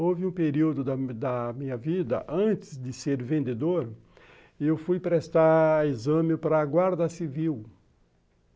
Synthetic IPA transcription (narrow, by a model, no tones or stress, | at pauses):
ovɪũpeɾiwd̪ʊd̪ɐd̪ɐmĩɲɐvid̪ɐ̰ʔɐ̃t͡ʃ̪ɪzd̪ɪseɾvẽnd̪ed̪oɾ | ewfujpɾest̪aɾizɐ̃mɪpɾɐːɡwaɾd̪ɐsiviw